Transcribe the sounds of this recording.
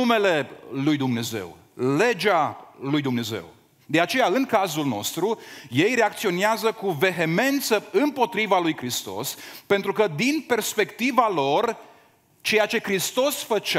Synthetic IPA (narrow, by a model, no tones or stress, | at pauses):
ume̞le̞lujd̪umne̞ze̞̰w | le̞d͡ʒalujd̪umne̞ze̞̰w | d̪e̞at͡ʃe̞jaɨŋkazulno̞̰st̪ɾuje̞jɾe̞akt̪sio̞neazəkuve̞ɦe̞me̞nt̪səɨmpo̞t̪ɾivalujkɾist̪o̞̰spe̞nt̪ɾukəd̪inpe̞rspe̞kt̪ivalo̞r | t͡ʃe̞jat͡ʃe̞kɾist̪o̞sfət͡ʃ